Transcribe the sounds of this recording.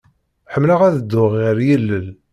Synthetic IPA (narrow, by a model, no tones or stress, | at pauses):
ħəmːlaʁæðəd̪ːʊʁːiɾjəlːəl